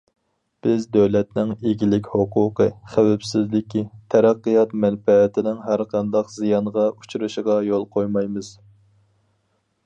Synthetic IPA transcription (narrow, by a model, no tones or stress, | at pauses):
b̥ɪzd̪øwlɛt̪nɪŋeɡʲilɪkʲhoqʰuːqʰɨχæwɛpsɪzlɪkʲʰit̪ʰɛɾæqːɨjɑt̪mɛnfɛːt̪ʰɪnɪŋɦæɾqʰɑnd̪ɑqzijɑnʁɑut͡ʃʰuɾɨʃəʁɑjolˠqʰojmɑjmɨz̥